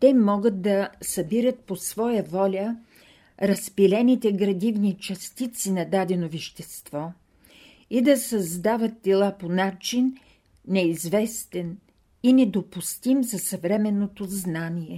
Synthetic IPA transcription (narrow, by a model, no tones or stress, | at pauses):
t̪ɛmɔɡət̪̚d̪ɐsɐbiɾət̪̚posvɔjəvɔlʲə | ɾɐspilɛnit̪ɛɡɾɐd̪ivnit͡ʃɐst̪it̪sinɐd̪ad̪ɛnoviʃt̪ɛst̪vɔ | id̪ɐsɐzd̪avət̪̚ːɛlˠaponat͡ʃinː | ɛizvɛst̪ɛn | inɛd̪opust̪imzɐsɐvɾɛmɛnːot̪oznaniɛ